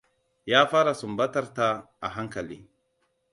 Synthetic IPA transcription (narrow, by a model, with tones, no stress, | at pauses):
jaː˦faː˦ɾa˨su˨mba˦ta˦ɾta˦ | a̰˨ɦa˦ŋka˨lḭ˦